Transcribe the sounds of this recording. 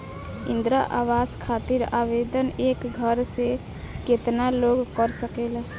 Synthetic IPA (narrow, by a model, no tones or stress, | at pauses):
ind̪ɾaʔawaskʰat̪iɾabed̪ənekɡʱəɾse | ket̪naloɡkəɾsəkel